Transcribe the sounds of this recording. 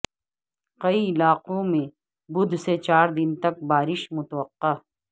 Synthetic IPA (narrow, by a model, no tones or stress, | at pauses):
qɐilaːqõmẽ | bʊd̪ʱset͡ɕaːɾd̪ɪnt̪ɐk̚baːɾɪʃmʊt̪wɐqːaː